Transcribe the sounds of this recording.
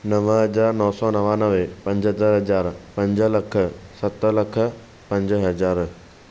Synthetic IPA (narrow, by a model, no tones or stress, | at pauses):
nɐʋɦɐd͡ʑaːɾnɔːsɔːnɐʋanɐʋepɐ̃ɲd͡ʑɦɐd̪aɾɦɐd͡ʑaːɾpɐ̃ɲd͡ʑə̆lɐkʰə̆sɐt̪ə̆lɐkʰə̆ | pɐ̃ɲd͡ʑɦɐd͡ʑaːɾ